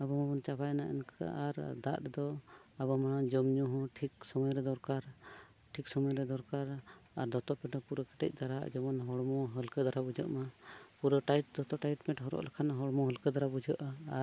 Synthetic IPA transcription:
abɔmabɔnt͡ʃapajnaʔɛ̰nka̰ʔaɾd̪aʔd̪ɔabɔmaɽad͡ʒɔmɲuɦɔ̃ʈʰiksɔmɔjɾɛd̪ɔɾkaɾ | ʈʰiksɔmɔjɾɛd̪ɔɾkaɾaɾd̪ɔt̪ɔpɛʈɔpuɾəkɛ̥ʈɛ̰c̚ˀd̪aɾa̰d͡ʒɔmɔnɦɔɽmɔɦəlkəd̪aɾabud͡ʒə̰ʔmapuɾəʈaiʈ̚d̪ɔt̪ɔʈaiʈmɛʈɦɔɾɔ̰ʔlɛkʰanɦɔɽmɔɦəlkəd̪aɾabud͡ʒəʔaː

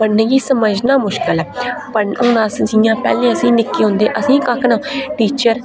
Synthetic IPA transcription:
pəɽneːɡiːsəməd͡ʒnaːmʊʃkɪlɛːpəʊ̃ːnaːsd͡ʒiːjãːpɛ̰ːlẽːəsĩːnɪkːeːɦʊ̃nd̪eːʔəsĩːkakʰnãːʈiːt͡ʃəɾ

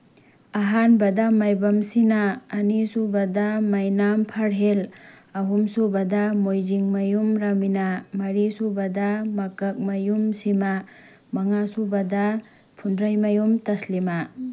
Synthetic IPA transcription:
aɦanbɐdamajbɐmsinaːnisubɐdamajnampʰaɾɦel | ɐɦumsubɐdamojziŋmɐjumɾaminamɐɾisubɐdamɐkɐk̚mɐjumsima | mɐŋasubɐda | pʰundɾajmɐjumtɐslima

